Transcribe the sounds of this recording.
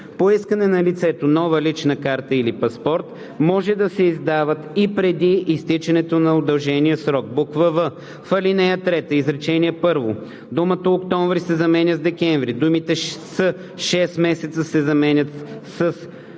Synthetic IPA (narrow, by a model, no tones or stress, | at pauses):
poiskənɛnɐlit̪sɛt̪onɔvəlit͡ʃnəkaɾt̪əilipɐspɔɾt̪ | mɔʒɛd̪ɐsɛizd̪avət̪ipɾɛd̪iʔːst̪it͡ʃɛnɛt̪onɐʊd̪ɐlˠʒɛnijəsɾɔk̚bokvəvə | fɐlinɛjət̪ɾɛt̪əizɾɛt͡ʃɛniɛpɤɾvo | d̪umət̪oːkt̪ɔɱvɾisɛzɐmɛnʲəzd̪ɛkʲɛɱvɾid̪umit̪ɛsə | ʃɛsmɛsɛt̪səsɛzɐmɛnʲət̪sɐs